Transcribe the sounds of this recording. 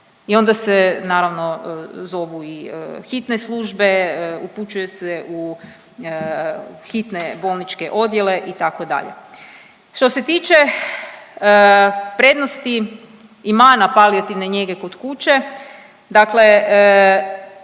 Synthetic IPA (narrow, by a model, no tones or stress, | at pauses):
io̞nd̪asenaːɾaʋno̞zo̞ʋuixit̪neslˠuːʒbe̞uput͡ʃujeseʔu | xit̪nebo̞lˠnit͡ʃke̞ʔo̞d̪je̞le̞ʔit̪ako̞d̪a̰ʎḛ | ʃt̪o̞se̞t̪iːt͡ʃe | pɾe̞d̪nost̪iː | maːnapaliat̪iʋneɲeɡe̞ko̞d̪kut͡ʃe̞ | d̪akle̞